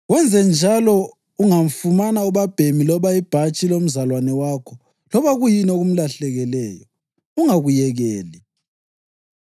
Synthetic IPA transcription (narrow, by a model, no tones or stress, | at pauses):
ɣwɛnd͡zʱɛnd͡ʒʱalɔ | uŋaɱfumanauβab̥ʱemilɔβaib̥ʱat͡ʃʼilom̩zalwanɛwaːkʰɔ | lɔβaɣujinoɣum̩laɬɛɣɛlɛːjɔ | uŋaɣujɛɣɛːli